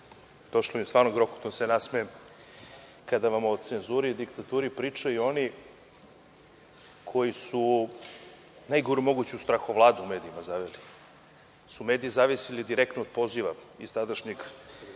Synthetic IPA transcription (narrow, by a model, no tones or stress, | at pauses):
d̪̥o̞ʃlomist̪vaːɾnoɡɾoxo̥t̪onsenasme | kad̪aʋamod̪t̪senzuɾiːd̪ikt̪at̪uːɾipɾiːt͡ʃaio̞ni | kʰo̞jisu | najɡoɾumo̞ɡut͡ɕuust̪ɾaxoʋlˠaːd̪uume̞ːd̪iimazaʋeli | sume̞ːd̪iizaːʋisilid̪iɾek̚t̪nood̪̚po̞ziʋaḭst̪ad̪aʃɲiɡ